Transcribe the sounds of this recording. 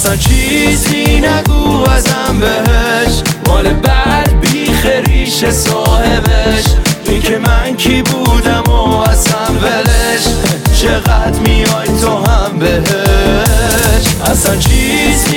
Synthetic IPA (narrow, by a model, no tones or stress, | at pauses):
æsænt͡ʃʰizinæɡuːæzæmbeɦeʃmɔːlebæd̪̚biːχeɾiːʃesɒːhebeʃʔiːkʰemænkʰiːbuːd̪æmoæsæmbeɾeʃt͡ʃʰeɣæt̪mijɒːjt̪ʰoɦæmbeɦe | ʃʔæsænt͡ʃʰiz